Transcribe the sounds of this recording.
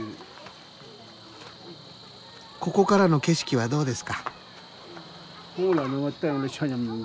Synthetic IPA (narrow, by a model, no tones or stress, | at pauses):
ko̞ko̞kaɾano̞ke̞ɕi̥kʲiβad̪o̞ːd̪e̞sɨ̥ka | kʰoŋolanomat̪alaɕʰaɲam